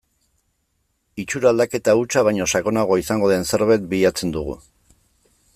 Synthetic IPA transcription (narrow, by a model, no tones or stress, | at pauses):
it͡ʃuɾald̪ake̞t̪aut͡ʃaβajɲo̞saɣo̞naɣ̞o̞isaŋɡo̞ðense̞ɾβ̞ajt̪̚biʎat͡se̞nd̪uɣ̞ṵ